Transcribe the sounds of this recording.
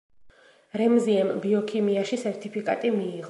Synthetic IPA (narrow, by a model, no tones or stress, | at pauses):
ɾɛmziɛmbiɔkʰimiaʃisɛɾt̪ʰʼipʰikʼa̰t̪ʼimiːʁ